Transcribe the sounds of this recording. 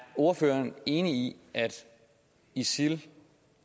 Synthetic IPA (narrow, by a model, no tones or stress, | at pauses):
o̝ɐføːɐne̝ːniiʔæd̥ | isil